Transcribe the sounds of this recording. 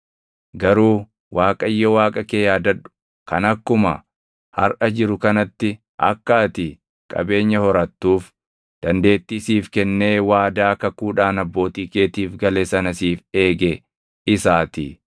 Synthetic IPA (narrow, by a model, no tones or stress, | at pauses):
ɡɐɾuː | wʔaːkʼɐɪjːɔwaːkʼɐkeːjaːd̪ɐᶑʊ̥ | kɐnɐkːʊmɐ̰ | hɐ̰ɾʔɐd͡ʒɪɾʊkɐnɐt̪ːɪ | ʔɐ̰kːaːt̪ɪ | kʼɐ̰be̞ːɲːɐhɔɾɐt̪ːuːf | d̪̥ɐnd̪e̞ːt̪ːiːsiːfkɛnːe̞ːwaːd̪aːkɐkuːᶑaːnɐbːo̞ːt̪iːke̞ːt̪iːfɡɐleːsɐnɐsiːfe̞ːɡe | ɪsaːt̪i